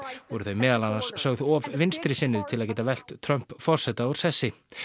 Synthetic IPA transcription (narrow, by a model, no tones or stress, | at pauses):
vɔɾʏθœɥmɛːðalanːansːœɣðɔvvɪnst̪ɾɪsɪnːʏðt̪ʰɪlaðcɛːt̪avɛl̥t̪t̪ʰːɾœm̥pfɔr̥sɛt̪aaɾ̥sɛsːɪ